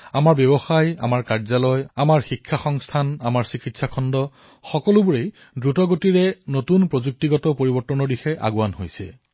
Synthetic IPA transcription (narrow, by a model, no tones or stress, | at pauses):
amaɹbɛbɔxaja̰maɹkaɹzalɔjamaɹxikʰːaxɔŋstʰanamaɹsikitsakʰɔndɔ | xɔkɔlʊbuɹej | dɹutɔɡotiɹɛnotunpɹozuk̚tiɡɔtɔpoɹibɔɹtːɔnɔɹdixɛʔa̰ɡuwanɦojsɛ̰